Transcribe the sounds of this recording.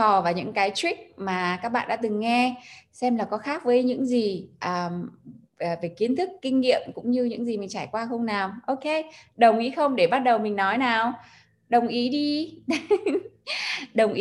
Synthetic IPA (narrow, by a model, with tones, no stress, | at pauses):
ɔ˨˩vaː˨˩ɲɨ̰˧˥ŋkaː˨˦jt͡ɕwi˦˥k̚maː˨˩kaː˦˥k̚ɓa̰ː˧˨ɗa̰ː˧˥t̪ɨ˨˩ŋːɛ˧sɛ˧mlaː˨˩kɔ˨˦xaː˦˥k̚vəː˨˦jɲɨ̰˧˥ŋzi˨˩ʔəː˨˩˨ | ve˨˩ki˨˦ənt̪ʰɨ˦˥kːï˧ŋ̟ŋḭ˧˨əmkʊ̰˧˥ŋ͡mɲɨ˧ɲɨ̰˧˥ŋzi˨˩mï˨˩ŋ̟t͡ɕaː˧˩jkwaː˧xə˧wŋ͡mnaː˨˩wʔo˧ke˧ɗə˨˩wŋ͡mʔḭ˨˦xə˧wŋ͡mɗe˧˩ɓa˦˥t̚ɗə˨˩wmï˨˩ŋ̟nɔ˨˦jnaː˨˩w | ɗə˨˩wŋ͡mʔi˨˦ɗi˧ | ɗə˨˩wŋ͡mʔi˨˦